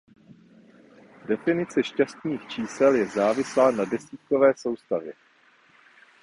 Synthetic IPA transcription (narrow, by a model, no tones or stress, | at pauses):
dɛfɪnɪt͡sɛʃcast̪niːxt͡ʃiːsɛljɛzaːvɪslaːnadɛsiːt̪̚kovɛːso̞wst̪avjɛ